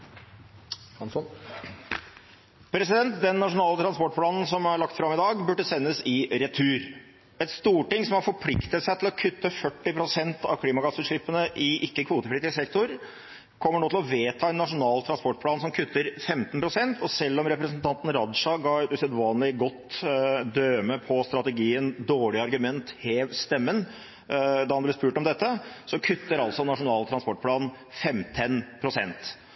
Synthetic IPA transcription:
pʰɾɛsɪd̪ɛnt̪̚d̪ɛnːɑʂʊnɑːlət̪ʰɾɑnspɔʈ̚pʰlɑːnn̩sɔmæɭɑkt̪fɾɑmːɪd̪ɑːɡbʉɖːəsɛnːəsɪɾɛt̪ʰʉːɾ | ɛt̪st̪uːʈɪŋsɔmhɑɾfɔɾpʰlɪkt̪ət̪sæɪt̪ʰɪlɔkʰʉt̪ːəfœʈːɪpʰɾʊsɛnt̪ɑ̰ʋkʰliːmɑɡɑsʉʂɭɪpːənəʔɪʔɪkːəkʰʋuːt̪əpʰlɪt̪ɪsɛkt̪ʊɾ | kʰɔmːəɳoːt̪ɪlɔʋeːt̪ʰɑːɛnːɑʂʊnɑːlt̪ʰɾɑnspɔʈ̚ːpʰlɑːnsɔmkʰʉt̪ːəɾfɛmt̪npʰɾʊsɛnt̪ɔsɛlːɔmɾɛpɾəsnt̪ʰɑnt̪n̩ɾɑd̪ʂɑɡɑd̪ʉsɛd̪ʋɑːnlɪɡɔt̪ːd̪øːməpʰɔst̪ɾɑt̪əɡiːənd̪oːɭɪɑɾɡʉmɛnt̪heːʋst̪ɛmːən | d̪ɑhɑnblɛspʉːʈɔmd̪ɛt̪ːəsɔkʰʉt̪ːəɾɑlsɔnɑʂʊnɑːlt̪ʰɾɑnspɔʈ̚pʰlɑːn | fɛmt̪ʰənpʰɾʊsɛnt̪

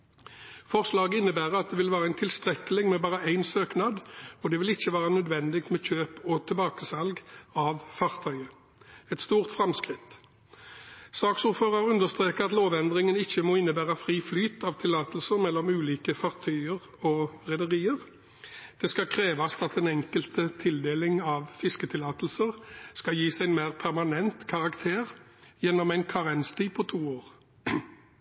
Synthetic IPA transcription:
fɔʁslɑːɡəɪnːəbæːʁəɑt̪̚d̪ɛʋɪlʋæːʁəæɪnt̪ʰɪlst̪ʁɛkəlɪŋmɛbɑːʁəæɪnsøːknɑːd̪ɔd̪ɛʋɪlɪçːəʋæːʁənœd̪ʋɛnd̪ɪk̚t̪mɛçøːpɔt̪ʰɪlbɑːkəsɑlɡɑʋfɑʁt̪ʰœʏə | ɛt̪st̪uːʁt̪fʁɑmskʁɪt̪ | sɑːksʊʁføːʁɑʁʉnd̪əʁst̪ʁeːkəʁɑt̪loːʋɛnd̪ʁɪŋənɪçːəmoːɪnːəbæːʁɑfʁiːflyːt̪ɑʋt̪ʰɪlːɑːt̪lsəʁmɛlːɔmʉːliːkəfɑʁt̪ʰœʏəʁ | ɔʁɛd̪əʁiːəʁ | d̪̥ɛskɑkʰʁeːʋɑst̪ɑt̪ɛnɛŋkəlt̪ət̪ʰɪld̪eːlɪŋɑʋfɪskət̪ʰɪlɑːt̪l̩səʁskɑjiːsæɪnmæːʁpʰæʁmɑnɛnt̪kʰɑʁɑkt̪ʰeːʁ | jɛnːɔmæɪnkʰɑʁɛnst̪iːpʰɔt̪ʰuːoːʁ

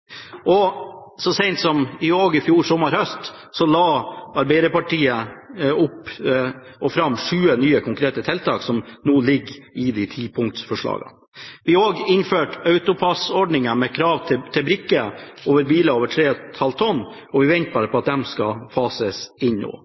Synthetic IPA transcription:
ʔɔsɔsɛɪnt̪sɔmɪoːɡɪfjuːɾsɔmːɑɾhœst̪ | sɔlɑːɑɾbæɪd̪əpɑʈʰiːəʊpː | ʔɔfɾɑmːʂʉːənyːəkʰʊŋkɾeːt̪ət̪ʰɛlt̪ʰɑːksɔmnuːlɪɡɪd̪ɪt̪ʰiːpʰʊŋt̪sfɔʂɭɑ̰ːɡə̰ | ʋɪoːɡɪnføːʈɑʉt̪ʊpʰɑsɔɖɳɪŋəmɛkʰɾɑːʋt̪ʰɪt̪ʰɪlbɾɪkːəoːʋəɾbiːləoːʋəʈʰɾeːt̪hɑlt̪ʰɔnː | ɔʋɪʋɛnt̪̚bɑːɾəpʰɔɑt̪̚d̪ɛmskɑfɑːsəsɪɲno̰ː

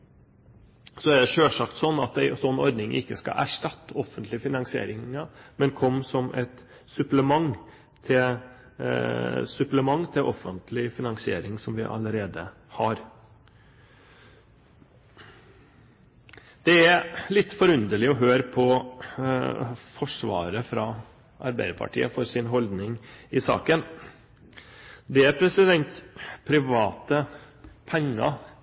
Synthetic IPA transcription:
sɔæɖɛʂøːʂɑkt̪sɔnːɑt̪̚æɪsɔnːɔɾd̪nɪŋʔɪ̰kːəskɑ̰ʔæʂʈɑt̪ːɔfːənt̪lɪfɪnɑŋsɪḛːɾɪŋɑmɛnkʰɔmːsɔmʔɛ̰t̪ | sʉpləmɑŋ | t̪ʰɪl | sʉpləmɑŋːt̪ʰɪlʔɔfːənt̪ʰlɪfɪnɑŋsɪḛːɾɪŋsɔmʋɪ̰ʔɑ̰ləɾeːd̪ə̰ | hɑɾ | d̪̥ɛæɾlɪt̪ːfɔɾʉnd̪əɭɪɔɦøːɾpʰɔ | fɔʂʋɑ̰ːɾəfɾɑ | ʔɑ̰ɾbæɪəɾpʰɑ̰ʈʰḭːəfɔɾsɪnɦɔld̪nɪŋɪsɑ̰ːkən | d̪ɛæɾpʰɾɛsɪd̪ɛnt̪pʰɾɪʋɑːt̪ə | pʰɛŋːɑ̰

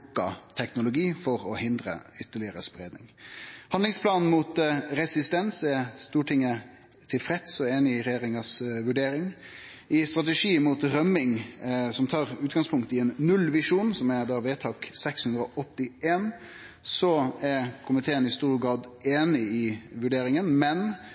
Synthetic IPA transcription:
kːɑ̰t̪ʰɛknʊlʊɡiːfɔɾɔhɪnd̪ɾə̰ʏt̪ːəɭɪəɾəspɾḛːd̪nɪ̰ŋhɑnd̪lɪŋspʰlɑːnn̩muːt̪ɾɛsɪst̪ɛnsɛst̪uːʈʰɪŋːə | t̪ʰɪlfɾɛt̪sɔeːnɪɪɾɛjeːɾɪŋɑsʋʉɖeːɾɪŋ | ɪst̪ɾɑt̪əʂiːmuːt̪ɾœmɪŋsɔmt̪ʰɑːɾʉːt̪ɡɑŋspʰʊŋk̚t̪ɪɛnːʉlʋɪʂuːnsɔmɛd̪ɑːʋeːt̪ʰɑːksɛkshʉnd̪ɾəɔʔɔt̪ːɪʔeːn | sɔæɾkʰʊmɪt̪ʰeːənɪst̪uːɾɡɑːd̪eːnɪɪʋʉɖeːɾɪŋənmɛn

